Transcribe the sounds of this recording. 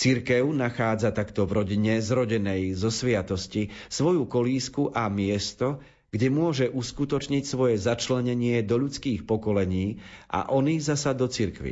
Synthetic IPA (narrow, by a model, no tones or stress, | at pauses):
t͡siɾkɛʊnaxaːd͡zat̪akt̪ɔvɾɔɟiɲɛzɾɔɟɛnɛjzɔsʋɪat̪ɔscisʋɔjukɔliːskuʔamɪɛst̪ɔ | ɡ̥ɟɛmʊɔʒɛʔuskut̪ɔt͡ʃɲicsʋɔjɛzat͡ʃlɛɲɛɲɪɛd̪ɔʎut͡skiːxpɔkɔlɛɲiːʔa̰ʔɔniːzasad̪ɔt͡siɾkʋḭ